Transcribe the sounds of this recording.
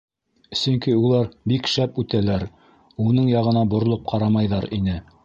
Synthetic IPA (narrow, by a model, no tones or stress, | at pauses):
sɵŋkiulˠɑɾbikʃæpʉt̪ælæɾ | unɤɴjɑʁɤ̆nɑbŏɾ̆lˠop̚qʰɑɾɑmɑjðɑɾinɘ